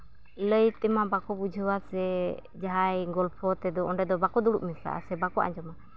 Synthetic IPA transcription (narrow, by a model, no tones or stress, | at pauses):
ləjt̪ɛmabakɔbud͡ʒʱəwasɛ | d͡ʒaɦajɡɔlpʰɔt̪ɛd̪ɔɔɳɖɛd̪ɔbakɔd̪uɽṵʔmɛsa̰ʔa̰sɛbakɔʔa̰ɲd͡ʒɔma